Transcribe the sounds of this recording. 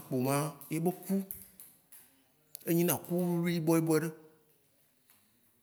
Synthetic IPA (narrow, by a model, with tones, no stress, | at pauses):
k͡po˨mã˦je˦bo˦ku˦ | e˦ɲĩ˦nã˨ku˦u˦lu˦i˦bɔ˦je˦bɔ˦ɛ˨ɖe˦